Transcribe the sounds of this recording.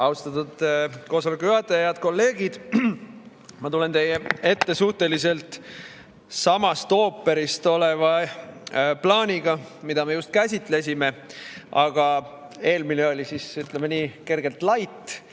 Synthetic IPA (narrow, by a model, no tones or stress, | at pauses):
ɑwst̪ɑt̪ːud̪̥ko̞ːsɑlekːuyɑt̪ːˑejɑd̪̥ko̞lːe̞ːɡid̪̥ | mɑt̪ule̞nt̪e̞jːee̞t̪ːe̞suht̪e̞lise̞lt̪ | sɑmɑst̪o̞ːpːˑe̞ɾist̪o̞le̞vɑ | plɑːnʲiɡ̥ɑmid̪̥ɑme̞just̪̚kæsʲit̪ˑle̞s̬ʲime̞ʔɑɡ̥ɑ | e̞ːlmineo̞lʲisisyt̪ˑlemeniːke̞rɡe̞lt̪lɑjt̪ːˑ